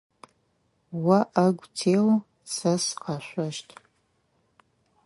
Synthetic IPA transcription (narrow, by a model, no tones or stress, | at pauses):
wɐʔɐɡʷtʰeːw | sɐsqɑɕʷɐʃtʰʼ